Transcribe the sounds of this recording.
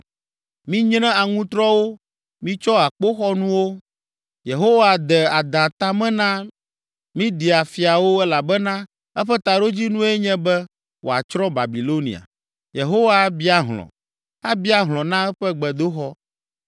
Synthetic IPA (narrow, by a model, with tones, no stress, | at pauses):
mĩ˦ɲnɛ̃˦a˨ŋũ˦t̪ɾɔ˦wo˦ | mĩ˦t͡ʃɔ˦a˨k͡po˦xɔ˦nũ˦wo˦ | je˨ɦo˦wa˨d̪ɛ˨a˨d̪ã˨t̪a˦mɛ̃˦nã˦ | mĩ˦di˨a˨fi˨a˨wo˦ɛ˦la˨bɛ˦nã˦ | ɛ˦ɸɛ˦t̪a˨ɖo˦d͡ʑi˦nũ˦e˦ɲɛ̃˦bɛ˦ | wʔo̰˨a̰˨t͡ʃɾɔ˦ba˨bi˨lo˦nḭ˨a̰˨ | je˨ɦo˦wa˦bi˦a˨ɦlɔ̰˨ | a˦bi˦a˦ɦlɔ̃˨nã˦ɛ˦ɸɛ˦ɡ͡bɛ˨d̪o˦xɔ˦